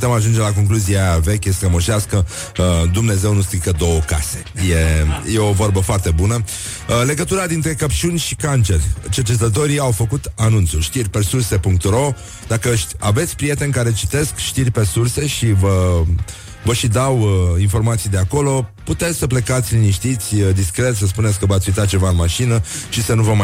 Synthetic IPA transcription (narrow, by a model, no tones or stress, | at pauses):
t̪e̞maʒund͡ʒe̞lako̞ŋkluziave̞kʲəsəmoʃaskə | d̪umne̞ze̞wnust̪ɨjkəd̪o̞wəka̰se̞̥je̞je̞ovo̞rbəfoart̪e̞bunə | le̞ɡət̪uɾad̪int̪ɾe̞kəpt͡ʃunʲʃikant͡ʃe̞rʲt͡ʃərt͡ʃet̪̬ət̪̬o̞ɾiawfəkut̪anunt̪sulʃt̪irʲpe̞surse̞puŋk̚t̪ro̞ | d̪akəʃa̰ve̞t̪sʲpɾijet̪e̞nʲkaɾe̞t͡ʃi̥t̪e̞skʃt̪irʲpe̞surse̞ʃivə | vəʃid̪awinfo̞rmat̪sijd̪e̞ako̞lo̞put̪e̞t̪sʲsəple̞kat̪sʲliniʃt̪it̪sʲəd̪iskɾe̞t̪səspunet̪sʲkəvat̪ʲit̪at͡ʃe̞vaɨnmaʃinəʃisənuvəma